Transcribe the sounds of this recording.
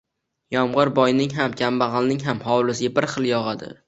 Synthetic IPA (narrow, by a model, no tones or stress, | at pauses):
jɒmʁɨɾbɒjnɪŋɦamkʲʰambɑʁɑlˠnɪŋɦamhɒwlˠɪzɡʲabɪɾχɨlˠjɒʁad̪ɪ̰